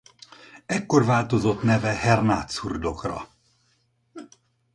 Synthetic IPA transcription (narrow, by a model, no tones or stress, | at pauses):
ɛkːo̞rvaːlt̪o̞zo̞t̪nɛvɛhɛrnaːt̪surd̪o̞krɒ̰